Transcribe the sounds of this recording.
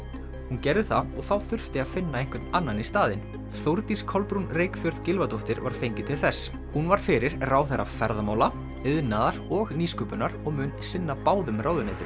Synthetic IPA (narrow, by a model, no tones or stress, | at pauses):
huncɛɾðʏθaɔɣθawθʏr̥ft̪ɪaðfɪnːaejŋkwʏt̪nanːanist̪aːðɪn | θowɾt̪iskʰɔlpɾunrejkfjœɾðcɪlvat̪oht̪ɪɾva̰ɾ̥fejɲcɪt̪ʰɪlθɛs | hunvaɾ̥fɪɾɪɾ̥raːwθɛɾa̰fɛɾðamaːwla | ɪðnaðaɾɔɣniːskʏpʏnaɾ̥ɔɣmʏnsɪnːapaːwðʏmrʔaːwðʏneːt̪ʏɾ